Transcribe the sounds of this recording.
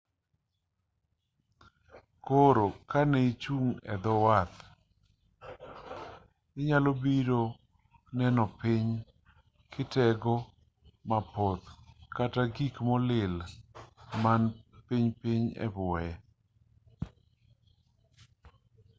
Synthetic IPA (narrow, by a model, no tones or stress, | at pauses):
koɾokanɛit͡ʃuŋɛ̰d̪ɔwat̪ | ɪɲalobiɾo | nɛnɔpɪɲ | kʰɪtɛɡɔ | mapɔt̪kataɡikmɔlɪl | manpiɲpɪɲɛ̰bʊɛ